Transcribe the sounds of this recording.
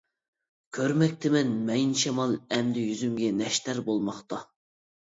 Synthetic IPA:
kʲʰøɾmɛk̚ʲt̪ʰɪmɛnmɛjnʃʰɛmɑlˠɛmd̪ɪjyzymɡʲɛnɛʃt̪æɾbolˠmɑχt̪ɑ

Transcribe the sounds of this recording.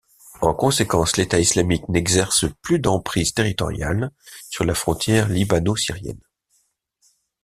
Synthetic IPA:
ɑ̃kɔ̃sekɑ̃slet̪aislamiknɛɡzɛʁsəplyd̪ɑ̃pχizt̪eʁit̪ɔ̰ʁja̰lsyʁlafχɔ̃t̪jɛʁlibanosiʁjɛ̰n

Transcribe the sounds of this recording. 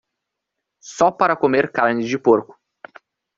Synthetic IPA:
sɔpaɾɐkomeɾkaɾnɪd͡ʒɪpoɾkʊ̥

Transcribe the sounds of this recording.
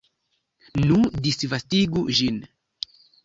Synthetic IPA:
nudisvastiɡuʒin

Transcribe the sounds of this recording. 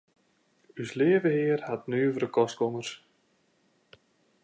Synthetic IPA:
yslɪəvəhɪərhatnyəvəɾəkɔstkɔmərs

